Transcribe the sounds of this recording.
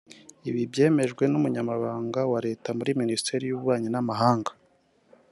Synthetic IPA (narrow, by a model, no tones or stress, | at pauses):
iβibje̞ːme̞ʒɡwe̞numuɲamaβaːŋɡawaɾe̞ːtamuɾiministe̞ɾijuβuβaːɲinamaɦaːŋɡḁ